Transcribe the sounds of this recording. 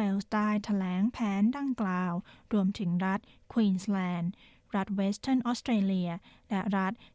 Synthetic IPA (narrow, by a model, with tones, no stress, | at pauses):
we˧wsdaː˥˩jt̪ʰa˧lɛː˩˦ŋpʰɛː˩˦ndaː˧ŋklaː˧wɾu˧əmt̪ʰɯ˩˦ŋɾa˦˥t̪̚kʰwiː˧˩nslɛː˧n | ɾa˦˥t̪̚weː˦˥st̪ʰə˥˩nʔɔː˦˥st̪ʰɾeː˧li˧ɐlɛ˦˥ɾa˦˥t̪̚